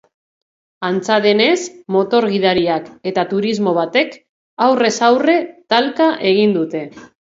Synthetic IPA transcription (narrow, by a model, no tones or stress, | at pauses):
ant͡saðe̞ne̞smo̞t̪o̞ɾɣ̞iðaɾiake̞t̪at̪uɾizmo̞β̞at̪e̞k | awre̞sawre̞t̪alkaʔe̞ɣ̞ind̪ut̪e̞